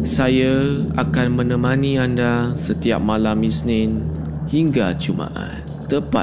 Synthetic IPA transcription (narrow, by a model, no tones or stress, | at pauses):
sajaa̰kanmə̃nə̃mãnĩandasət̪ia̰p̚malamisnɪnhiŋɡat͡ʃuma̰ʔa̰n | t̪əpa̰